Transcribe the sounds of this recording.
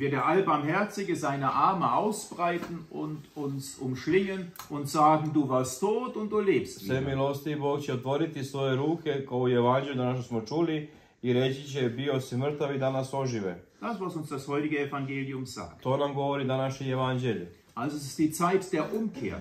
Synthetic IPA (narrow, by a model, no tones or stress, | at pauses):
viːɐdeːɐʔalbaɐmɦɛɐt͡sɪɡəzaɪnɐʔaɐməʔaʊsb̥ʁaɪtn̩ʊntʊnsʔʊmʃlɪŋənʔʊntz̥aːɡŋ̩duːvaɐstʰːoːtʊnt̚d̥uːleːpstsemilost̪iːboːkt͡ɕɛot̪ʋo̞ɾit̪isʋo̞jeɾuːkʰekaoujeʋand͡ʒeʎud̪anaʃ̬t̪osmot͡ʃuːli | iɾet͡ɕit͡ɕɛbiosmr̩t̪aʋid̪anaso̞ʒiʋed̥asvasʊnsd̥ashɔʏtɪɡəefaŋɡeːliʊmz̥a̰ːk̚t̪o̞ːnamɡo̞ʋoɾid̪anaʃɲejeʋand͡ʒeʎ | ʔalzoɛs̬ɪ̥std̥iːt͡saɪtd̥eːɐʔʊmkʰḛːɐ